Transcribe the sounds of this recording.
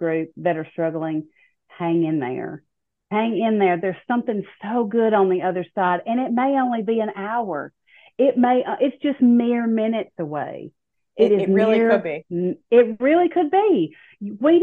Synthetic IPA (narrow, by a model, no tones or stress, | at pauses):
ɡ̥ɹʉp̚b̥ɛɾə˞stɹ̥ʌɡl̩ˠɪ̃ŋ | hæ̃ŋɨ̃nðə̰˞ | hæ̃ŋɪ̃nðə˞ðə˞z̥sʌ̃mθɪ̃ŋsoʊɡʊɾn̩ðiʌðə˞saɪɾɨ̃ñɪt̚meɪõʊ̃nlibiɨ̃naʊə̰˞ | ɪt̚meɪʔʔɪtsd̥ʒ̥ʌstnɪɹmɪ̃nɨtsəwḛɪ | ɪɾɨznɪɪɹ̚biɪt̚ɹɪlˠikʰɨd̚bi | wi